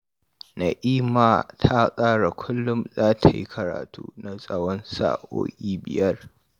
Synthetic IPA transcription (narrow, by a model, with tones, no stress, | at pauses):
na˨ʔiː˦ma˨tʰa˦sʼaː˦ɽa˨kʷʰʊ˦lːʊ˦mzaː˦tʰa˨ji˦kʰɐ˨ɾa̰ː˨tʰṵː˦na˨sʼɐ˦wɔ˦nsa̰ː˦˨ʔo̰ː˦kʲʼiː˦bɪ̰˨jɐ˦r